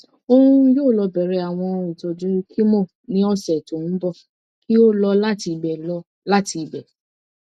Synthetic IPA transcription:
o˦˧ũ˦joː˦˨lɔ˧bɛ˨ɾɛ˨˧˦a˨w̃ɔ̃˧ĩ˨to˨d͡ʒu˨˦kʰi˦mo˦˨ | nĩ˨˦ɔ˦sɛ˨to˨n̩˦bɔ˦˨ | ki˦o˦lɔ˧la˦ti˧bɛ˨lɔ˧ | la˦ti˧˨bɛ˨

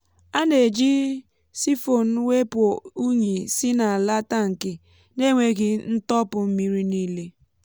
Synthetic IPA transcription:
a˦ne˨d͡ʒi˦ | si˦fo˨n̩˦we˦po˨u˦ɲe˨sɪ˦na˨la˦ta˦ŋ̩˨kɪ˨ | ne˦ŋʷe˦˨ɡɪ˨n̩˦tɔ˦pʊ˨m̩˦mi˦ɾi˦niː˦le˦

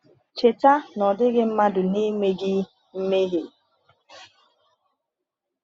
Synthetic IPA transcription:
t͡ʃe˨ta˦nɔ˨dɪ˦ɡɪ˦m̩˦ma˦dʊ˨ni˦me˦ɡɪ˦ | m̩˦me˦ɦe˨

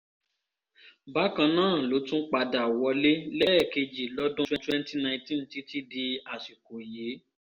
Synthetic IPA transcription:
ba˨˦kã˧nãː˦˨lo˨˦tũ˦k͡pa˧da˨wɔ˧le˦lɛ˦˨ke˧d͡ʒi˨lɔ˦dʊ̃˦twɛ̃˦twɛ˦n˦ti˦nã˧ĩ˧tĩ˦n̩˨ti˨˦ti˦di˧a˨ʃi˨ko˨je˨˦

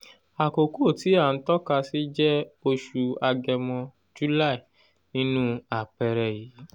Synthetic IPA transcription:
a˨ko˨ku˦˨ti˨˦a˦˨n̩˦tɔ˦ka˧si˦d͡ʒɛ˦o˧ʃu˧a˧ɡɛ˧mɔ̃˧ | d͡ʒu˦la˦˨i˨ | nĩ˦nũ˦a˨k͡pɛ˧ɾɛ˨jiː˨˦

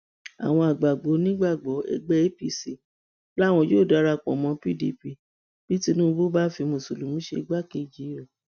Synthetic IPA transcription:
a̰˨w̃ɔ̃˧a˨ɡ͡ba˨ɡ͡bo˨˦nĩ˦ɡ͡ba˦˨ɡ͡bɔ˨˦ɛ̰˦˧˨ɡ͡bɛ˦e˦pi˦˨si˨˦ | la˦˨w̃ɔ̃˧jo˦˨da˨˦ɾa˧k͡pɔ̰˨mɔ̃˧˦pi˦˨di˧pi˧ | b̥i˨˦ti˧˦nũ˦bo˦ba˦fi˧mo˨so˨lu˨mũ˨˦ʃe˧ɡ͡ba˦˨ke˧˨d͡ʒi˨˦ɔ˦˨

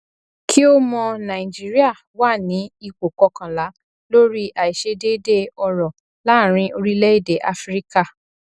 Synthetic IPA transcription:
kʰi˦o˦mɔ̃˧nã˨i˨d͡ʒi˦ɾi˦a˦˨ | wa˦˨nĩ˨˦i˧k͡po˨kɔ˧˦kã˨la˨˦ | lo˦ɾi˦ʔa˨i˨ʃe˧de˦de˦ɔ˧ɾɔ˨ | la˦˨ɾ̃ĩ˧˦o˧ɾi˦lɛ˦i˦˨de˨˦ʔa˦fɾi˦ka˦˨

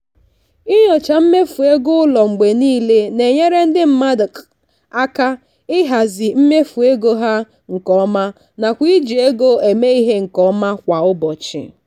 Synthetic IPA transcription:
ɪ˦ɲɔ˨t͡ʃa˨m̩˦me˦fu˨e˦ɡʊ˦ʊ˦lɔ˨ŋ͡m̩˨ɡ͡be˨niː˦le˦ne˨ɲe˦ɾe˦n̩˦dɪ˦m̩˦ma˦dɪ˨k | a˦ka˦ | ɪ˦ɦa˨zɪ˨m̩˦me˦fu˨e˦ɡo˦ɦa˦ | ŋ̩˨kɔ˦ma˦ | na˨kʷi˦d͡ʒi˨e˦ɡo˦e˨me˦i˦ɦe˦ŋ̩˨kɔ˦ma˦kʷa˨ʊ˦bɔ˨t͡ʃɪ̰˨

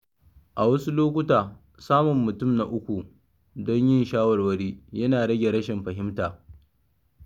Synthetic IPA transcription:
ʔa˨wɐ˦su˦loː˦kʷʊ˦taː˨ | saː˦mʊ˨mːʊ˨tʊ˦˨mna˦ʔʊ˦kʷu˨ | dɔ˦ɲjɪ˦nʃaː˦wɐ˨rwɐ˦˨ɽiː˦jɐ˦naː˨ɽɐ˦ɡʲe˨ɽɐ˦ʃɪ˨mɸɐ˨ɦɪ˦mtaː˨

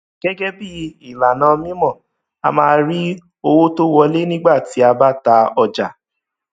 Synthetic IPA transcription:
ɡ̥ɛ˦ɡɛ˦bi˦i˨la˨nãː˨˧˦mĩ˦mɔ̃˦˨ | a̰˧mãː˧˦˧ɾi˦ | o˧wo˦to˦wɔ˧le˦nĩ˦ɡ͡ba˦˨ti˨˦a˧ba˦ta˧ɔ˧d͡ʒa˨

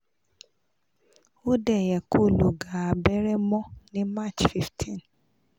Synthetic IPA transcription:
o˦dɛ˦˨jɛ˨ko˦˨lo˨ɡa˨a˨bɛ˦ɾɛ˦mɔ̃˦nĩ˦ma˦˨t͡ʃfi˦ftʰĩ˦˨n

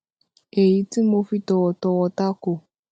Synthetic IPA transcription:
e˨ji˨˦ti˦mo˧fi˦tɔ˨wɔ˨tɔ˧wɔ˧ta˦ko˨

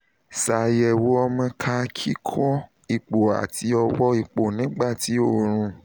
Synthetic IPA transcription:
sa˨jɛ˨wo˨˦ɔ˧mã˧kʰa˧kʰi˦kʰɔ˦ | i˨k͡po˨a̰˨ti˧˦ɔ˧wɔ˦i˧k͡po˨nĩ˨˦ɡ͡ba˦˨ti˨˦o˦˨ɾ̃ũ˧˦

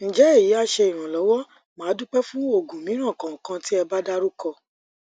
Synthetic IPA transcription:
ñ̩˨d͡ʒɛ˨˦e˦˨ji˨˦a˧ʃe˧i˨ɾ̃ã˨lɔ˨˦wɔ˦ | mãː˨˦dũ˦k͡pɛ˦fũ˦o˦˨ɡũ˨mĩ˨˦ɾ̃ã˦˨kã˨kã˧ti˦ɛ˧ba˦da˦ɾu˦kɔ˧

